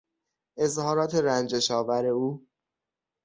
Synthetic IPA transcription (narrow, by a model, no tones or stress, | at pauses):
ʔe̞zhɒːɾɒːt̪ʰeɾænd͡ʒeʃɒːvæɾe̞uː